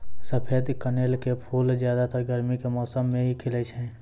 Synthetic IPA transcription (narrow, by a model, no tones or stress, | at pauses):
səpʰeːd̪kəneːlkepʰuːlzjaːd̪at̪əɾɡəɾmikemɔːsəmːẽɦikʰɪlət͡ʃɦɛ̃ː